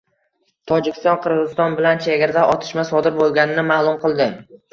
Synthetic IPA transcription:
t̪ʰɒd͡ʒɪkʲʰɪst̪ɒnqʰɨɾʁɨzɪ̥st̪ɒnbɪlant͡ʃʰeɡʲaɾd̪aʔɒt̪ʰɪ̥ʃmasɒd̪ɪɾbolˠɡʲanɪnɪmaːlˠʊmqʰɨlˠd̪ɪ

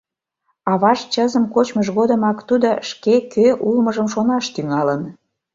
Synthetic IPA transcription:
ɑβɑʃt͡ɕəzəmkot͡ɕməʃɣod̪əmɑkt̪ud̪oʃkekøʔulməʒəmʃonɑʃt̪yŋɑlən

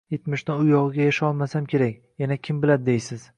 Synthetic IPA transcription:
jet̪mɪʃnɪʊjɒʁɨɡʲajaʃaɒlˠmasamkʲʰe̞ɾakʲ | janakʲʰɪmbɪlad̪ɪd̪ejsɪz̥

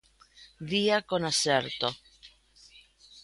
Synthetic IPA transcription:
d̪iakonaseɾt̪o

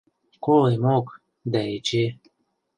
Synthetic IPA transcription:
kolejmok | d̪aet͡ɕe

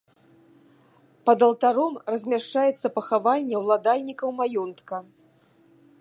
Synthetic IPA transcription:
pɐd̪ɐlˠt̪aɾɔmrɐzʲmʲaʂt͡ʂajɛt̪sːɐpɐxavanʲːɛwlˠad̪alʲnʲikɐwmajɔnt̪kɐ

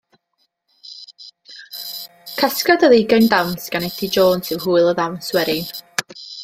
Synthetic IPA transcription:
kʰaskadəðɪɡajndamsɡ̥anɛtʰid͡ʒoːnsɪwhuːɨlˠəðawswɛɾɪn

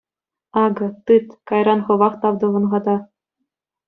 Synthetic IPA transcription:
ɑɡɤ̆t̪ɯt̪kɑjrɑnχɤ̆ʋɑχt̪ɑʋd̪ɤ̆ʋɤ̆nʁɑd̪ɑ

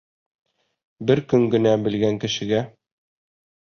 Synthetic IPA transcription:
bɘɾkɵŋɡɘ̆næbɘ̆lɡæŋkɘ̆ʃɘ̆ɡæ

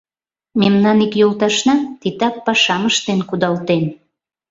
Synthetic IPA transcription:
memnɑnikjolt̪ɑʃnɑt̪it̪ɑpːɑʃɑməʃt̪enkud̪ɑlt̪en

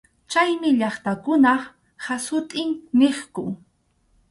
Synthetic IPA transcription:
t͡ʃajmɪʎɑχt̪akʊna | hasʊt̪ʼɪŋneχkʊ

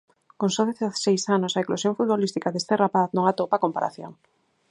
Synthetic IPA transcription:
koŋsoðeθḁsejsanosaeklosjoŋfut̪̚βolist̪ikaðest̪erapaθnõŋat̪opakompaɾa̰θjo̰ŋ

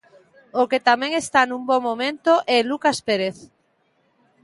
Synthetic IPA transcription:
oket̪amɛ̃ŋest̪anumbomomẽnt̪oʔɛlukaspeɾeθ

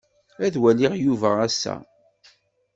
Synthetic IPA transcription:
æðwælɪʁjuvəʁæsæ̰

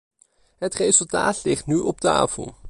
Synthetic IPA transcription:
ɦətrejzɵlˠta̰ːtlɪχtnyʔɔp̚ta̰ːfə̰lˠ

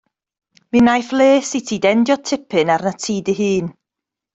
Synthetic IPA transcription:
minajθlˠeːsitʰiːdɛndjɔtʰɪpʰɨnarnatʰiːdɨɦɨːn

